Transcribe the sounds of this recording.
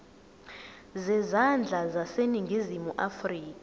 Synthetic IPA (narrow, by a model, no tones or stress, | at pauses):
zɛzand͡ɮʱazaseniŋɡʱizimuʔafriːka